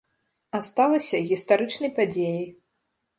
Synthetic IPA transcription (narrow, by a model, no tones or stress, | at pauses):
ast̪alˠɐsʲɐɣʲist̪aɾɨt͡ʂnɐjpad͡zʲeji